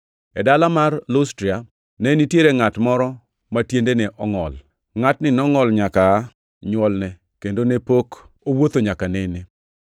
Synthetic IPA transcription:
ɛdalamarlostɾia | nenitjeɾeŋatmɔɾɔ | matjendenɛʔɔŋɔ̰l | ŋatnɪnɔŋɔlɲaka | ɲwɔlnɛ | kendonepok | owot̪oɲakanene

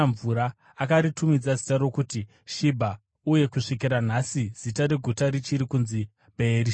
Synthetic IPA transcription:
ɱvuɾa | akaɾitumid͡zazi̥taɾo̞kuti | ʃibʱa | uje̞kuʂik̬iɾan̤asiz̥itaɾe̞ɡʱutaɾit͡ʃiɾikunzi | bʱe̞ɾi

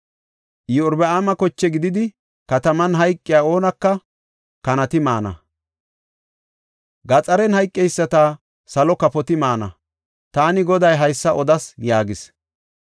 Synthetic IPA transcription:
jɪʊɾbɛaːmɐkɔt͡ʃːɛɡɪd̪ɪd̪ɪ | kɐt̪ɐmɐnɦɐjkʼːɪjaːo̞ːnɐkːɐ | kɐnɐt̪ɪmaːnɐ̰ | ɡɐt͡sʼɐɾɛnhɐjkʼːɛjsːɐt̪a | sɐlɔkɐpɔt̪ɪmaːnɐ̰ | t̪aːnɪɡɔd̪ɐjɦɐjsːɐʔɔd̪ɐsjaːɡɪs

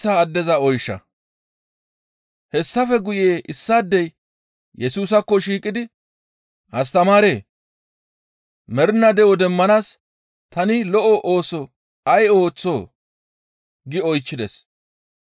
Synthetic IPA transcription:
aːd̪ːɛzɐɔjʃːɐ̰ | hɛsːɐfɛɡʊjeːʔɪsːaːd̪ːɛj | jɛsuːs̬ɐkːɔʃiːkʼɪd̪ɪ | ɐst̪ɐmaːɾe̞ː | mɛɾnːɐd̪ɛwɔd̪ɛmːɐnaːs | t̪ɐnɪlɔʔɔʔo̞ːsɔ | ɐjo̞ːt͡sːo̞̰ː | ɡɪɔjt͡ʃːɪd̪ɛs

